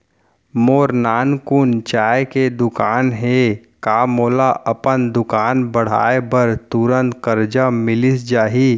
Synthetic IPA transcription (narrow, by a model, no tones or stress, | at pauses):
moːɾnaːnkʊnt͡ʃaːeked̪ʊkaːnɦe | kaːmoːlaʔɐpənd̪ʊkaːnbəɽ̤a̰ːebəɾt̪ʊɾə̃nt̪kəɾd͡ʒamɪlisd͡ʒaːɦi